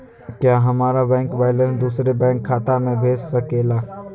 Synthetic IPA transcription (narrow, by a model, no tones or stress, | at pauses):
kjaːɦəmaːɾabɛ̃ːŋkbaːɪlə̃nsd̪uːsɾebɛ̃ːŋkʰːaːt̪amẽbʱeːd͡ʒsəkeːlaː